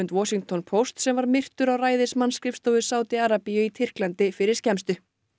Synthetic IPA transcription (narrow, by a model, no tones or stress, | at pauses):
ʏnt̪wɔːsiŋk̚t̪ʰɔnpʰowst̪sɛmvaɾmɪr̥t̪ʏɾawraːjðɪsmanskɾɪfst̪oːwðɪsaːwt̪iaːɾapijʏit̪ʰɪr̥klant̪ɪfɪɾɪɾ̥scɛmst̪ʏ